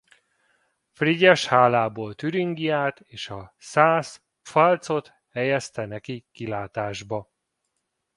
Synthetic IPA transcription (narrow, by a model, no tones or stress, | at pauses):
friɟɛʃhaːlaːboːlt̪yɾiŋɡiaːt̪eːʃɒsaːs | fɒlt̪so̞t̪ | hɛjɛst̪ɛnɛkikilaːt̪aːʒbɒ